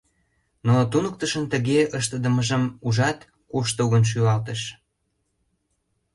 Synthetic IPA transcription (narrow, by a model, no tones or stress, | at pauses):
not̪unək̚t̪əʃənt̪əɣeəʃt̪əd̪əməʒəmuʒɑt̪ | kuʃt̪əɣənʃ̬yɑlt̪əʃ